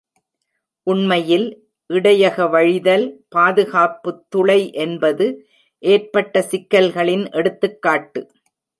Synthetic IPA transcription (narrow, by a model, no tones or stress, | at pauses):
ʔʊɳmɐjɪl | ʔɪɽɐjɐɣɐʋɐɻɪðɐlpaːðɯɣaːpɯt̪ːʊɭɐɪʔɛnbɐðɯ | ʔeːrpɐʈːɐsɪkːɐlɣɐɭɪnʔɛɽɯt̪ːɯkːaːʈːɯ